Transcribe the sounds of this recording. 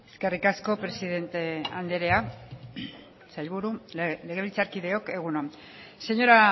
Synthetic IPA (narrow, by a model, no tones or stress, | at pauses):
e̞ske̞rikasko̞pɾe̞siðe̞nt̪e̞and̪eɾea | sajʎβuɾule̞ɣ̞e̞βilt͡saɾkiðe̞o̞ke̞ɣ̞uno | se̞ɲo̞ɾa